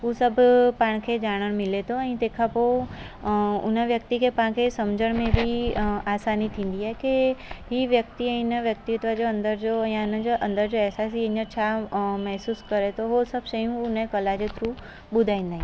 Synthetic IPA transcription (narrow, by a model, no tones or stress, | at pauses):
ɦusɐbʱpaːɽ̃kʰeːd͡ʑaːɽ̃əɽ̃mɪlet̪ʰoɛ̃ːt̪ẽːkʰapo | ʊ̰nəʋjɐk̚t̪ikʰepaãkʰesɐmd͡ʑəɽ̃mẽbʱiaːsaːnit̪ʰĩːn̆d̪iaːɦekeɦiʋjɐk̚t̪iɛ̃ɪnəʋjɐk̚t̪ɪt̪ʋəd͡ʑoɐ̃nd̪əɾd͡ʑoɛ̃ʊnəd͡ʑoʔɐ̃nd̪əɾd͡ʑoɛɦsaːsiɪ̃ɲəɾt͡ɕʰamɛɦsuːskɐɾet̪ʰoɦosɐbʱʃɐjũʊnəkɐlad͡ʑet̪ʰɾu | ɓʊd̪ʱaːĩːnd̪aɦĩ